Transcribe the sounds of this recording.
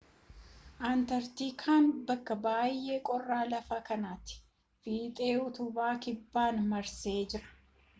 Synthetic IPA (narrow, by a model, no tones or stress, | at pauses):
ʔaːnt̪ɐɾt̪iːkʰaːnbɐkːɐbaːjʔe̞ːkʼɔrːaːlɐfaːkɐnaːt̪ɪ̥ | fiːt̪ʼe̞ːʊt̪ʊbaːkɪbːaːnmɐɾse̞ːd͡ʒɪɾɐ̥